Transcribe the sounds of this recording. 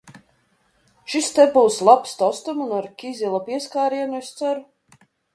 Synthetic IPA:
ʃist̪ɛbuwslˠapst̪ɔst̪umunaɾkʲizʲilˠapiɛskaːɾiɛnuɛst̪sæɾu

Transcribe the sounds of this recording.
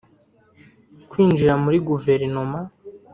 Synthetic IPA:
kwiːnd͡ʒiɾamuɾiɡuve̞ɾno̞ma

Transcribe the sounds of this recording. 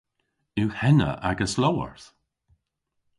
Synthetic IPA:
ɪwhɛnə̰ʔaɡəslowə̰ɹθ

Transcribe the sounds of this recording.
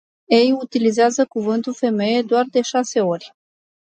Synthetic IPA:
e̞jut̪ilizeazəkuvɨnt̪ulfe̞me̞je̞d̪oard̪e̞ʃase̞o̞rʲ

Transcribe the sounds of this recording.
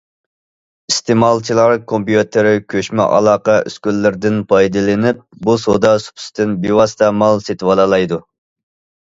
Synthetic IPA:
ist̪ʰemɑlˠt͡ʃʰilˠɑɾkʰompjut̪ʰɪɾɪkʲʰøʃmɛ̰ʔɑ̰lˠɑːqɑʔy̰skʲylːɪɾd̪ɪnpʰɑjd̪ɨlɪnɪp̚busod̪ɑsu̥pʰy̥st̪ɪnbewɑst̪ɑmɑlˠset̪ɪwɑlˠɑlˠɑjd̪u

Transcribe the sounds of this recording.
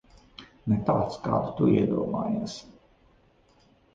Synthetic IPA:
nɛt̪aːt̪ska̰ːd̪ut̪uiɛd̪uɔma̰ːjaːs

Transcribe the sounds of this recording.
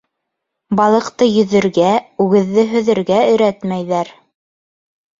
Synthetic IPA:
bɑlˠɤ̆qt̪ɤjɵ̆ðɘ̆ɾɡæʉɡɘ̆ðːɘɦɵ̆ðɘ̆ɾɡæɵ̆ɾæt̪mæjðæɾ

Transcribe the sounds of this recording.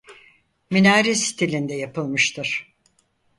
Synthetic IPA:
minaːɾisi̥t̪ʰilʲind̪ɛjapʰɯlˠmɯʃt̪ʰɯɾ̥

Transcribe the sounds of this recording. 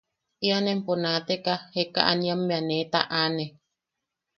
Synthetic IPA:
ʔianemponat̪ekaheka̰ʔa̰nĩamːeanet̪a̰ʔane

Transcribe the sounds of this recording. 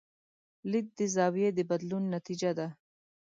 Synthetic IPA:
lɪd̪̚d̪əzɑwijed̪əbad̪lunːat̪id͡ʒad̪a

